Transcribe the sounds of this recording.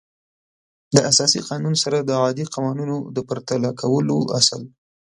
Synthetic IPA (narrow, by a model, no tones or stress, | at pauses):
d̪əasɑsiqɑnunsaɾad̪əaɑd̪iqawɑnunod̪əpəɾt̪alakʰawəloʔasəl